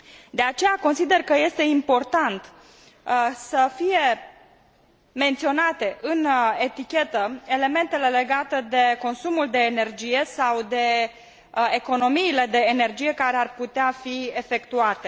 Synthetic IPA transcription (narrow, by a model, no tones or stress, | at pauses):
d̪e̞at͡ʃe̞jako̞nsid̪e̞rkəje̞st̪e̞impo̞rt̪ant̪ | səfije̞ | me̞nt̪sio̞nat̪e̞ʔɨne̞t̪ikʲe̞t̪əe̞le̞me̞nt̪e̞le̞le̞ɡat̪ed̪e̞ko̞nsumuld̪e̞ːne̞rd͡ʒije̞sawd̪e̞ | eko̞no̞miːle̞d̪e̞ːne̞rd͡ʒije̞kaɾearput̪eafiefe̞kt̪uat̪e̞